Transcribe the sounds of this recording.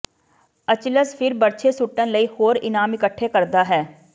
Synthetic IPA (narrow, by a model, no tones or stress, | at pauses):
ət͡ʃləspʰɪɾbəɾt͡ʃʰeːsʊʈːənləiːhoːɾɪnaːmɪkəʈʰːeːkəɾd̪aːɦɛː